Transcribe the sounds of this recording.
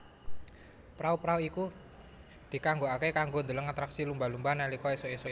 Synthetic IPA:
pɾaupɾauiku | d̪̥i̤kaŋɡoakekaŋɡond̪ələŋat̪ɾaksilumbalumbanalikɔesoeso

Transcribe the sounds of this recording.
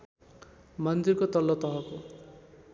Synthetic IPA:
mʌnd̪irkot̪ʌlːʌt̪ʌɦʌko

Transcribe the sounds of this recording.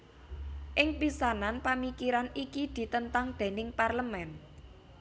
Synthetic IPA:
ʔɪŋpisananpamikiɾanikid̪̥i̤t̪ənt̪aŋd̪̥e̤nɪŋparləmɛn

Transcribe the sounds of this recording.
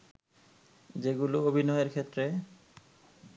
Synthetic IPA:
d͡ʑeɡuloobʱinɔeeɾkʰet̪ːɾe

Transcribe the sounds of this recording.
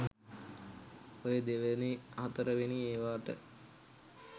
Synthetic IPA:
ojəd̪eʋəneaɦɐt̪əɾəʋenieːʋaːʈə̰

